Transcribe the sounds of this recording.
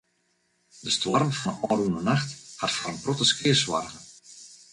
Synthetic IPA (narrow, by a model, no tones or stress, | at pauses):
d̥əstwɔrmfɔnənɔːrunənaxthatfɔɾənprɔtəskɪəswa̰rɣə